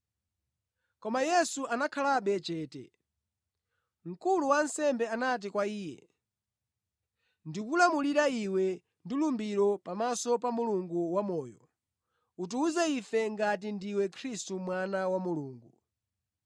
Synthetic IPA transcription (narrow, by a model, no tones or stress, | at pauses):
kɔmajɛsuʔanakʰalaɓɛt͡ʃɛːtɛ̰ | ŋ̩kuluwansɛmbɛanat̬ikwaiːjɛ̰ | ndikulamuliɾaiwɛ | ndulumbiɾɔpamasɔpamuluŋɡuwamɔːjɔ | ut̬uuzɛifɛŋɡat̬indiwɛkʰɾistumwanawamuluːŋɡu